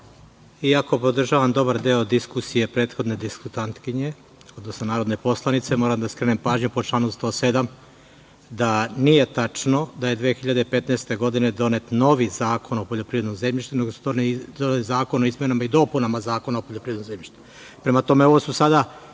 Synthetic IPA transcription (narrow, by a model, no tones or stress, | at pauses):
iako̞po̞d̪r̩ʒaːʋamd̪o̞baɾd̪eod̪iskusije̞pɾe̞ːt̪xo̞d̪ne̞d̪iskut̪ant̪kiɲe̞ | od̪nosnonaːɾo̞d̪nepo̞slˠanit̪se̞mo̞ːɾamd̪askɾenempaːʒɲupot͡ʃlˠaːnomst̪o̞sed̪am | d̪anije̞t̪at͡ʃno̞d̪ajed̪ʋeːxiʎad̪eipe̞t̪nest̪e̞ɡo̞d̪ine̞d̪o̞net̪no̞ʋizaːko̞no̞poʎo̞pɾiːvɾed̪nmze̞mʎiʃt̪une̞ɡosud̪ond̪onelizaːko̞noizmjenamaid̪o̞punamazaːko̞naopoʎopɾiːed̪mze̞mʎiʃt̪u̥ | pɾemat̪o̞me̞oʋosusad̪a